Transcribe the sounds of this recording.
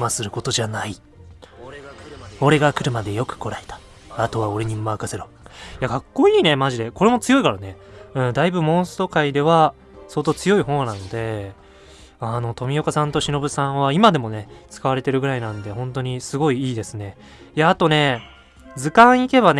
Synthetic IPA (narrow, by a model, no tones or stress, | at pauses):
masɨɾɯ̟ko̞t̪o̞ʑanai | o̞ɾe̞ɡakɯ̟ɾɯ̟mad̪e̞jo̞kɯ̟̥ko̞ɾae̞t̪ḁ | at̪o̞βao̞ɾe̞ɲ̟imɯmakaseɾo | jaɡakːo̞iːne̞maʑid̪e̞ko̞ɾe̞mo̞t͡sɨjo̞ikaɾane̞ɯ̟̃ːd̪aibɯmõ̞ɰ̃sɨ̥t̪o̞kaid̪e̞βa | so̞ːt̪ot͡sɨjo̞ihõ̞nãnod̪e̞ | ano̞t̪o̞mʲijo̞kasãnt̪o̞ɕino̞bɯ̟sãɰ̃βaimad̪e̞mo̞ne̞t͡sɨ̥kaβaɾe̞t̪e̞ɾɯ̟ɡɯ̟ɾainãnd̪e̞hõ̞nt̪o̞ɲ̟isɨɡo̞iiːd̪e̞sɨne̞ | jaːt̪o̞ne̞ | d͡zɨkãɰ̃ike̞βan